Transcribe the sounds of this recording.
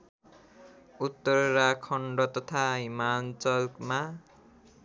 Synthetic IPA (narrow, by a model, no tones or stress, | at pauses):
ut̪ːʌɾɾakʰʌɳɖʌt̪ʌt̪ʰaɦimant͡sʌlkma